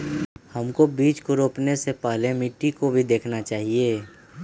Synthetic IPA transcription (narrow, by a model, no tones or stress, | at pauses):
həmkobiːt͡ʃkoɾoːpnesepəɦlemɪʈːikobʱid̪eːkʰnat͡ʃaːɦieː